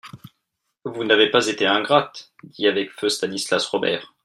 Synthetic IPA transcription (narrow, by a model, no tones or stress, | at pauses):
vunavepazet̪eɛ̃ɡʁat̪ | d̪iavɛkføst̪anislasʁɔbɛ̰ːʁ